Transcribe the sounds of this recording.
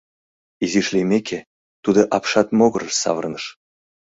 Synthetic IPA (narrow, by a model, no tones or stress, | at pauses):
iziʃlʲimʲekʲʰe | t̪ud̪ɤ̆ʔɑpʃɑt̪moɣɤ̆ɾəsɑ̰vərnəʃ